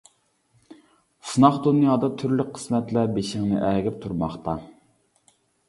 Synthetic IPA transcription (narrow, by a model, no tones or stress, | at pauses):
sunɑχd̪unjɑːd̪ɑt̪ʰyɾlykʲqʰə̥smɛt̪læɾbeʃɪŋnɪ̰ʔæɡʲɪp̚t̪ʰuɾmɑχt̪ɑ